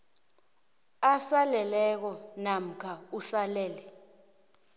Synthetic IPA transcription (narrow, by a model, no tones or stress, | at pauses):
asalɛlɛk̬ɔnam̩kʰausalɛːlɛ